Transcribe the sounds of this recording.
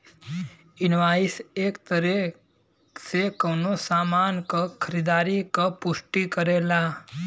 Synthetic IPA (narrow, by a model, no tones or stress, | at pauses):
inʋaisekt̪əɾe | sekənosamankəkʰəɾid̪aːɾikəpuʂʈikəɾela